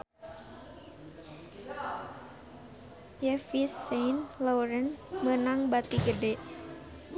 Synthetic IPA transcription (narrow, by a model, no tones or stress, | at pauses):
jɛfisːejnloɾənmənaŋbat̪iɡədeʔ